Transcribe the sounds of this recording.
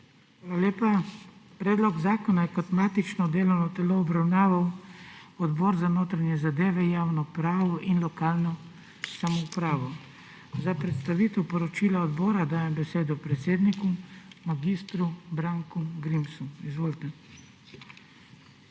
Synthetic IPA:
xʋaːlalʲjeːpapɾeːd̪lɔɡzaːkɔnajɛkɔt̪mat̪it͡ʃnɔd̪eːlɔwnɔt̪ɛloːbɾawnaːʋaw | ɔd̪bɔːɾzanoːt̪ɾanjɛzad̪eːʋɛjaːwnɔpɾaːʋɔʔinlɔkaːlnɔ | samɔupɾaːʋɔ | zapɾɛt̪st̪aʋiːt̪ɛwpɔɾɔt͡ʃiːlaɔd̪bɔːɾad̪aːjɛmbɛseːd̪ɔpɾɛt̪seːd̪nikumaɡist̪ɾubɾaːŋkuɡɾimsuizʋoːlit̪ɛ

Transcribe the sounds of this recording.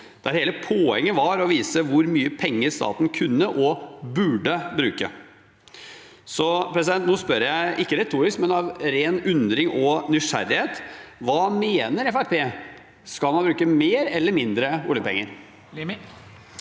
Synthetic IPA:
d̪̥æɾheːləpʰoːhɛŋːəʋɑɾɔʋiːsəʋʊɾmyːəpʰɛŋːəɾst̪ɑ̰ːt̪n̩kʰʉnːəʔɔbʉɖəbɾʉːkə̰ | sɔpʰɾɛs̬ɪd̪ɛnt̪noːspœɾjæɪɪkːəɾɛt̪ʰuːɾɪskmɛnɑʋɾeːnʉnd̪ɾɪŋɔnʏʂæ̰ɾɪheːt̪ʋɑːmeːnəɾɛfæpʰeː | skɑlmɑnbɾʉːkəmeːɾɛlːəɾmɪnd̪ɾəṵljəpɛ̰ŋːəɾ

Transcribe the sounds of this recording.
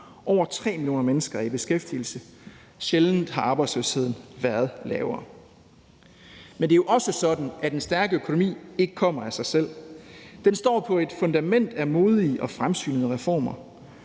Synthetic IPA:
ʔɒʊ̰ɐt͡sʰʁɛ̰ːmilio̝̰ːnɐmenəsɡ̥ɐib̥e̝sɡ̥efd̥il̩sə | ɕeln̩hɑ̈ɑ̈ːb̥ɑ̈ɪ̥sløshe̝ð̰ˠn̩ʋæɐð̞̩ˠlɛːʊɐː | mend̥e̝æjo̝ʔɒ̽səsɒ̽d̥n̩æd̥ensd̥æɐɡ̥əøkʰono̝mḭːe̝ɡ̥ə̥kʰɒ̽m̰ɐæsɑ̈ɪsel̰d̥ensd̥ɒ̰ːpʰɒ̽e̝d̥fɔ̽nd̥æmen̰d̥æmo̝ːð̞ˠiʔɒ̽fʁamsy̰ːnəð̩ˠəʁɛfɒ̰ːmɐ

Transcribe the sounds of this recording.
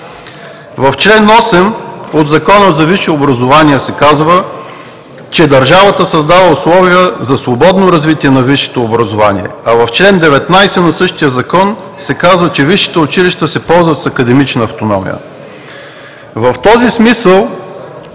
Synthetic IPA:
vɐft͡ʃlɛnɔsɛmod̪zɐkɔnəzɐviʃɛobɾɐzovaniəsɛkazvə | t͡ʃɛd̪ɐɾʒavət̪əsɐzd̪avəʊslˠɔviəzɐsvobɔd̪noɾɐzvit̪iɛnɐviʃɛ̥t̪oːbɾɐzovanḭɛ̰ɐvɐft͡ʃlɛnd̪ɛvɛt̪najsɛnɐsɤʃt̪ijəzɐkɔn | sɛkazvət͡ʃɛviʃi̥t̪əʊt͡ʃiliʃt̪əsɛpɔlˠzvɐt̪sɐkɐd̪ɛmit͡ʃnəːft̪onɔmḭjə̰ | vɐft̪ɔzismisəlˠ

